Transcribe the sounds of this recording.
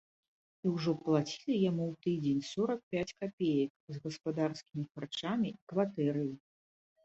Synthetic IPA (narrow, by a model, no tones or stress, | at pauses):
iwʐɔplˠat͡sʲi̥lʲijamuwt̪ɨd͡zʲenʲsɔɾɐk̚pʲat͡sʲkapʲejɐkzɣɐspad̪arskʲimʲixart͡ʂamʲiikvat̪ɛɾɨji